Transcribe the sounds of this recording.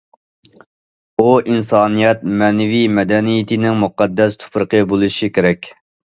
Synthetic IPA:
uʔinsɑːnijɛt̪̚mɛnɛwijmɛd̪ɛnijɪt̪ʰɪnɪŋmuqɑd̪ːɛst̪ʰu̥pɾəqəbolˠuʃikʲeɾɛkʲ

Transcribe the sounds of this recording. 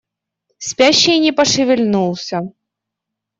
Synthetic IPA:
spʲæɕːɪjnʲɪpɐʂɨvʲɪlʲnulˠsʲə

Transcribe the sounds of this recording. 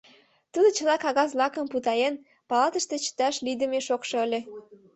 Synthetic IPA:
t̪ud̪ə̆t͡ɕə̆lɑkɑɣɑzlɑkə̆mput̪ɑjen | pɑlɑt̪əʃt̪et͡ɕə̥t̪ɑʃlid̪ə̆meʃokʃoəlʲe

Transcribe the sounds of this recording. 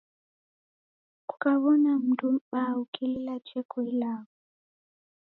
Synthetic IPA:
ku̥kaβɔnam̩tum̩ɓaukililat͡ʃɛkʰɔilaːɣɔ

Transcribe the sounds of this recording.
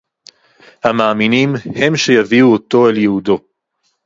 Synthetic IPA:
hamaːminimhe̞mʃe̞javiuot̪o̞e̞ljehudo̞

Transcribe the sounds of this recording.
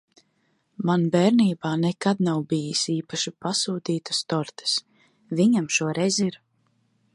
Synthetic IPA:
manbɛːɾniːbaːnɛkad̪nawbijisiːpaʃipasuːt̪iːt̪ḁst̪ɔɾt̪ʰɛ̥s | viɲamʃuɔɾɛjziɾ

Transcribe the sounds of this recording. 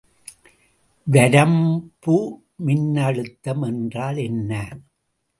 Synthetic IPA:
ʋɐɾɐmbu | mɪnːɐɻɯt̪ːɐmɛndraːlɛnːɐ

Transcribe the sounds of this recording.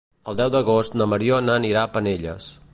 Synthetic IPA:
əlˠd̪ɛwd̪əɣost̪nəməɾionəniɾapəneʎə̰s

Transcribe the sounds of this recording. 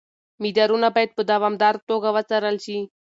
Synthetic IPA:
mid̪aɾunabajt̪̚bəd̪aʋamd̪aɾt̪oɡaʋat͡saɾalt͡ɕi

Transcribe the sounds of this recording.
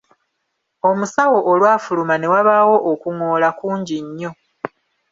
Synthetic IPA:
o̞musawo̞ʔːlwaːfulumane̞waβaːwo̞ʔːkuŋo̞ːlakuːɲɟiɲːo̞

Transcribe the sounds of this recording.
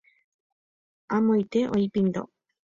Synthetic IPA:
amojt̪eʔojpind̪o̰

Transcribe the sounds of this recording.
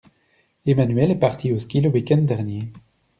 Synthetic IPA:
emanɥɛlɛpaʁt̪ʰioskʲiləwikʲɛ̃nd̪d̪ɛʁnje

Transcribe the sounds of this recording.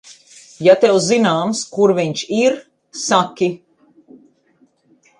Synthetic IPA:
jat̪ɛwzinaːmskuɾviɲʃiɾ | sakʲi

